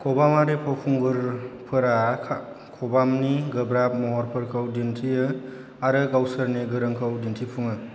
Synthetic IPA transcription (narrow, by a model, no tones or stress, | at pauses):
kʰɔbamaɾipʰɔpʰuŋɡɯɾpʰɯɾa | kʰɔbamniɡɯbɾap̚mɔɦɔɾpʰɯɾkʰɯwdintʰijɯ | aɾɯɡawsɯɾniɡɯɾɯŋkʰɯwdintʰipʰuŋɯ